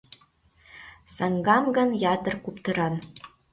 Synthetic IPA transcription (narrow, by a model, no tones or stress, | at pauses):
sɑŋɡɑmɡɤ̆njɑt̪ɤ̆rkupt̪ɤ̆ɾɑn